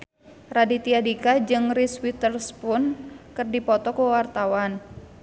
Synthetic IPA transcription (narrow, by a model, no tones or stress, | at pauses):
radit̪iadikad͡ʒɨŋriswit̪ərspʊnkɨrdipɔt̪ɔkuwart̪awan